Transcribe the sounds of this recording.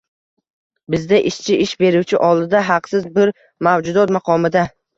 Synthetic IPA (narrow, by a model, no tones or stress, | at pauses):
bɪzd̪aʔɪʃt͡ʃʰɪʔɪʃbe̞ɾuwt͡ʃʰɪʔɒlˠd̪ɪd̪aɦɑqsɪzbɪɾ | mawd͡ʒʊd̪ɒt̪mɑqʰɒmɪd̪a